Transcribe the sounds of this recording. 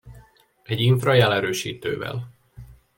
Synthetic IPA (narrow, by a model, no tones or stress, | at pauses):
ɛɟiɱfrɒjɛlɛɾøːʃḭːt̪ø̰ːvɛ̰l